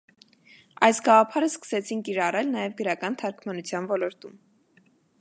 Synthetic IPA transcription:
ɑjsɡɑʁɑpʰɑɾəskə̥sɛt͡sʰinkiɾɑrɛlnɑjɛvɡəɾɑkɑnt̪ʰɑɾkʰmɑnut͡sʰjɑnvɔlɔɾt̪um

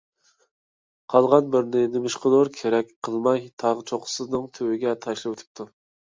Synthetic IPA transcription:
qʰɑlˠʁɑnbɪɾnɪnɪmɪʃqənoɾkʲʰeɾɛk̚ʲqʰəlˠmɑjt̪ʰɑʁət͡ʃʰoqʰʊ̥sɨznɨŋt̪ʰøwɪɡʲɛt̪ʰɑʃlˠɨwøt̪ʰɪ̥p̚t̪ʰu

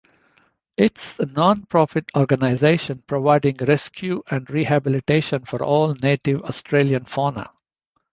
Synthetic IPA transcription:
ɪʈsənɔ̃ːnpɾɔːfɪʈʰɔːɾɡənaɪzeːʃə̃npɾoʋaɪɖɪ̃ŋɡɾɛskʰjuʔɛ̃ɳɖɾihæbɪlɪʈeːʃə̃nfɔɾɔːlneːʈɪʋɔsʈʰɾeːliə̃nfɔːnə̰

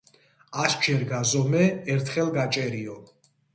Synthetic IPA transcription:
asd͡ʒɛɾɡazɔmɛːɾt̪ʰχɛlɡat͡ʃʼɛɾiɔ

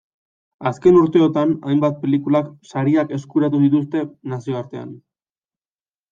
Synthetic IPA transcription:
aske̞nuɾt̪e̞ot̪ana̰jmbat̪̚pe̞likulaksaɾiake̞skuɾat̪uðit̪ust̪e̞nasio̞aɾt̪e̞a̰n

